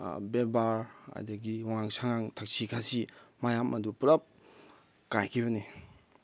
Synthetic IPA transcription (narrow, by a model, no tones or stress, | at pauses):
bebaɾa̰jdaɡiwaŋaŋsaŋaŋtʰak̚sʰikʰasimajamʔɐdupuɾɐp̚ | kajkʰibɐni